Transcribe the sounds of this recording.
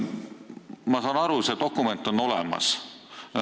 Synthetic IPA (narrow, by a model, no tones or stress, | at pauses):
mɑsɑːnɑɾuse̞t̪o̞kːˑume̞nt̪ːˑo̞no̞lemɑ̰s